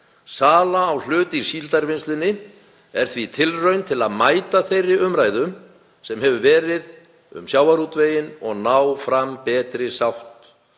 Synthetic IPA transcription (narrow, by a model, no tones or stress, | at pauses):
saːlaːwl̥ʏːt̪iɾ̥siːlt̪aɾvɪnst̪lɪnːɪ | ɛɾ̥θvit̪ʰɪlrœɥnt̪ʰɪlaðmaːjt̪aθejrːɪʔʏmɾaːjðʏm | sɛmɦɛvʏvɛːɾɪð | ʏ̰msjaːwaɾut̪veːjɪnɔɣnaːwfɾampɛːt̪ɾɪsawht̪